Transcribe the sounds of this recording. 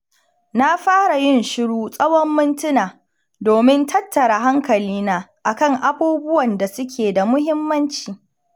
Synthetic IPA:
na˦ɸaː˦ɽa˨jɪ˦˨nʃɪ˦ɽuː˦sʼɐ˦wɔ˦mːʊ˦ntʊ˦naː˨ | doː˨mɪ˦ntʰɐ˦tːɐ˨ɽa˨ɦa˦ŋkɐ˨liː˦naː˦ʔa˨kɐ˦˨ŋʔa˦buː˦bʊ˦wɐ˨nda˨sʊ˦kʲʰeː˨da˨mʊ˦ɦɪ˦mːɐ˦nt͡ʃiː˨

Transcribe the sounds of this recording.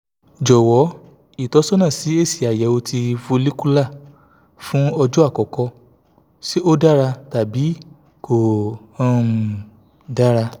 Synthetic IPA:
d͡ʒɔ˨wɔ˨˦ | i˦˨tɔ˨˦sɔ˦nã˦˨si˨˦e˦˨si˨a˨jɛ˨˦o˧tʰi˧fo˧li˦ku˦la˦˨ | fũ˦ɔ˧d͡ʒu˦a˦˨kɔ˨kɔ˧˦ | si˦o˦da˦ɾa˧ta˨bi˨˦ | ko˨ã˦˧˨ | da˦ɾa˧

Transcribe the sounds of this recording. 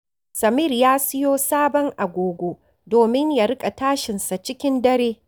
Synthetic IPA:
sɐ˨mɪ˦˨rjaː˦sɪ˦joː˦saː˦bɔ˦ŋʔa˨ɡʷoː˨ɡʷoː˦ | doː˨mɪ˦ɲja˨ɾɪ˦kʼa˨taː˦ʃɪ˨nsa˨t͡ʃɪ˦kʲɪ˦ndɐ˦ɾeː˦

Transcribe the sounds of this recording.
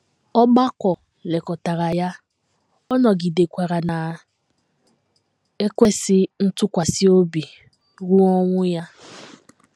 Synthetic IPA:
ɔ˦ɡ͡ba˦kʷɔ˨ | le˨kɔ˨ta˨ɾa˨ja˦ | ɔ˦nɔ˨ɡi˨de˨kʷa˨ɾa˨na˨ | e˦kʷe˦sɪ˦n̩˦tʊ˦kʷa˨si˦o˦bi˨ | ɾu˦ɔ˦ŋʷʊ˦ja˦

